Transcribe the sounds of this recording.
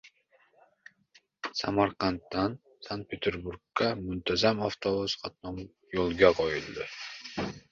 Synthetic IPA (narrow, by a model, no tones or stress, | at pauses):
samaɾqʰɑnt̪ːan | sant̪̚pʰet̪ʰeɾbuɾɡːamʊnt̪ʰazamaft̪ʰobusqʰɑt̪nɒm | jolˠɡʲaqʰojɪlˠd̪ɪ